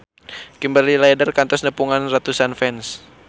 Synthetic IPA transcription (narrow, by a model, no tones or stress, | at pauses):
kimbalilajdərkant̪ɔsnəpuŋanrat̪usanfɛns